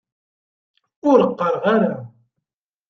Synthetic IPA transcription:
ʊɾəqːəɾˤʁaɾa

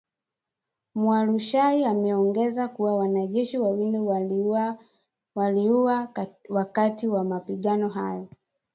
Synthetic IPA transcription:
mwaluʃaiamɛɔŋɡɛzakuwawanaʄɛʃiwawini | waliuwawakatiwamapiɠanɔɦa̰jɔ

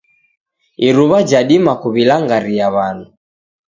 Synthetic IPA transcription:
iɾuβad͡ʒaɗimakuβilaŋɡaɾiaβanu

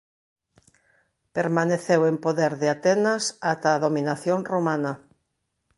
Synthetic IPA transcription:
peɾmaneθewempoðeɾðɪat̪ɛnasat̪aːðomĩnaθjoŋromãnɐ

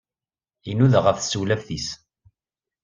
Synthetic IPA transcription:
inuðʁəfsuwlæfθis

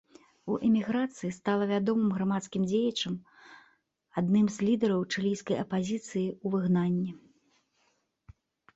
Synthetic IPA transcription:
uʔɛmʲiɣɾat̪sɨjist̪alˠɐvʲad̪ɔmɨmɣɾamat̪skʲimd͡zʲejɐt͡ʂɐm | ad̪nɨmzʲlʲid̪ɛɾɐwt͡ʂɨlʲijskɐjɐpazʲit̪sɨjiuvɨɣnanʲːɛ

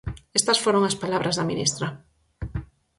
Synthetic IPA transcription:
est̪asfoɾoŋaspalaβɾʔazðaminḭst̪ɾa

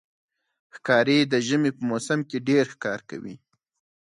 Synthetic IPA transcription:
xkɑɾed̪əʒəmepəmosamkeɖeɾxkɑɾka̰wḭ

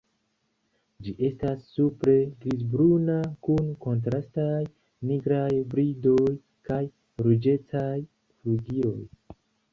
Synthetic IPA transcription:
d͡ʒiʔe̞stasːupɾe̞ɡɾizbɾunakunko̞nt̬ɾastaj | niɡɾajbɾido̞j | kaj | ɾud͡ʒe̞taj | fɾuɡio̞̰j

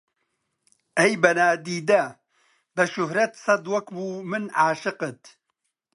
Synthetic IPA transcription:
ɛjbɐnaːd̪iːd̪ɐ | bɛʃʊhɾɐt̪sɐd̪wɐkbuːmɨnʕaːʃɨqɨt̪

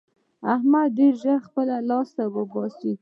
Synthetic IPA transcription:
ahmad̪ːeɾʒəxpəlalɑst̪awəbɑsi

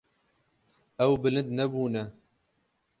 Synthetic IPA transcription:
ɛwbɨlɨnd̪̚nɛbuːnɛ

